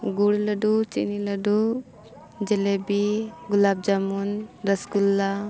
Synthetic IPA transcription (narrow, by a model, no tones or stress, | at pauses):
ɡuɽləɖut͡ʃḛniləɖu | d͡ʒelebiɡulab̚d͡ʒamunɾɐskulːa